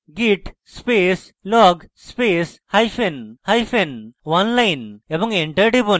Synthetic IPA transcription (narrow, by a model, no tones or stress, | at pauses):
ɡiʈ | speːs | lɔːɡspeːshɐjfenhɐjfenʋanlɐjnebɐŋeɳʈɐʈibon